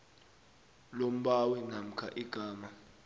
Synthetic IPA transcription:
lom̩ɓawɛnam̩kʰa̰ʔiɡ̥ʱaːma

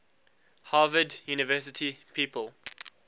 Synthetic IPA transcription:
haːvədjunɪvɜˑsɪtʰipʰiːpʰəl

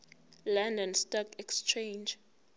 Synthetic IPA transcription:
landɔnstɔkɛkst͡ʃʰẽjnd͡ʒ

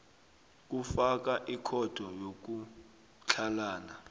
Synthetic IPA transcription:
k̬ufak̬aʔikʰɔd̥ʱɔjok̬u | t͡ɬʰalaːna

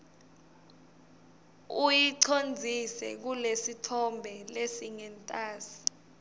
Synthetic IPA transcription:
ujiǀʰond͡zʱisɛ̰k̬ulesitʰɔmbʱɛlesiŋɛntʼaːsi̥

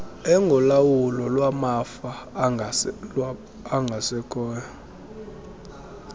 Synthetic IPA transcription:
ɛŋɡʱɔlawulɔlwamafa | aŋɡʱasɛkʰʼɔːna

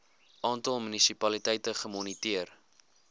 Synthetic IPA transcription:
ʔɑːntɐlˠmynisipɐlitɛjtəχəmɔnitiər

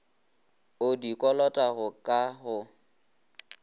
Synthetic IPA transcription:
ʊdikʼɔlɔtʼahʊkʼaɦʊ

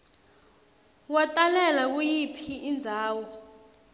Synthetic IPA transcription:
watʼalɛlak̬ujipʰiʔːnd͡zʱaːwɔ

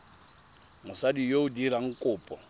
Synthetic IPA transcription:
mʊsadijoʊdiɾaŋ̩kʼʊːpʼɔ

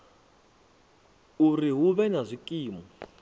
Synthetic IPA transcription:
uriɦuβɛnazʷikʼiːmɔ

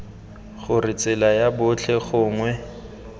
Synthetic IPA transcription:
χʊrɪt͡sʼɪlajabʊt͡ɬʰɛχʊːŋwɛ

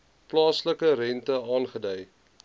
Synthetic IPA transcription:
plɑːsləkəɾɛntəɑːnχədɛj

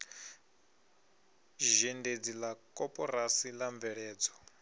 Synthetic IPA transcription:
ʒɛnded͡zilakʼɔpʼɔɾasilaɱb̪vɛɺɛːd͡zɔ̥

